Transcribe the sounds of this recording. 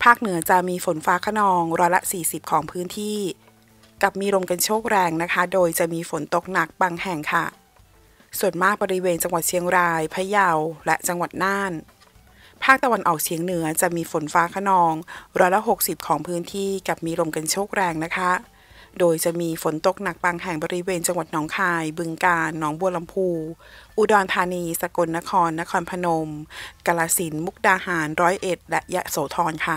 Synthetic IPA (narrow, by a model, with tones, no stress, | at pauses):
pʰaː˥˩k̚nɯ˨˩˦ɐt͡ɕa˨˩miː˧fo˩˦nfaː˦˥kʰa˧nɔː˧ŋɾɔː˧˥jla̰˧˥ʔsiː˨˩si˨˩p̚kʰɔː˩˦ŋpʰɯː˦˥nt̪ʰiː˥˩ | ka˨˩p̚miː˧ɾo˧mka˧nt͡ɕʰoː˥˩k̚ɾɛː˧ŋna˦˥kʰa˦˥doː˧jt͡ɕa˨˩miː˧fo˩˦nt̪o˨˩k̚na˨˩k̚baː˧ŋhɛ˨˩ŋkʰa˥˩ | su˨˩ənmaː˥˩k̚bɔː˧ɾi˦˥weː˧nt͡ɕa˧ŋwa˨˩t̪̚t͡ɕʰi˨˩˦əŋɾaː˧jpʰa˧˥ja˧wlɛ˦˥ʔt͡ɕa˧ŋwa˨˩t̪̚naː˥˩n | pʰaː˥˩k̚t̪a˧wa˧nʔɔː˨˩k̚t͡ɕʰi˩˦əŋnɯ˩˦ɐt͡ɕa˨˩ʔmiː˧fo˩˦nfaː˦˥kʰa˧nɔː˧ŋɾɔː˦˥jla˧˥ɦo˨˩k̚si˨˩p̚kʰɔː˩˦ŋpʰɯː˦˥nt̪ʰiː˥˩ka˨˩p̚miː˧lo˧mka˧nt͡ɕʰoː˥˩k̚ɾɛː˧ŋna˦˥kʰa˦˥ | doː˧jt͡ɕa˨˩miː˧fo˩˦nt̪o˨˩k̚na˨˩k̚baː˧ŋɦɛ˨˩ŋbɔː˧ɾi˦˥weː˧nt͡ɕa˧ŋwa˨˩t̪̚nɔː˩˦ŋkʰaː˧jbɯ˧ŋkaː˧nːɔː˩˦ŋbu˧əla˧mpʰuː˧ʔu˧dɔː˧nt̪ʰaː˧niː˧sa˧ko˧nːa˦˥kʰɔː˧nːa˦˥kʰɔː˧npʰa˧no˧mka˧laː˧si˩˦nmu˦˥k̚daː˧haː˩˦nɾɔː˦˥jʔe˨˩t̪̚lɛ˦˥ʔja˦˥soː˩˦t̪ʰɔː˧nkʰa˥˩